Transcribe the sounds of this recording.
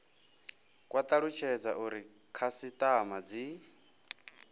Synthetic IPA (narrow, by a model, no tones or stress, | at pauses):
kʼwat̪ʼaɺut͡ʃʰɛd͡zaʔuɾi | kʰasit̪ʼamad͡zi